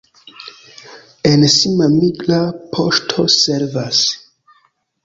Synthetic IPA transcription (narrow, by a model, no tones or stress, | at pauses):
ensimamiɡlapʰo̞ʃtʰose̞ɾvas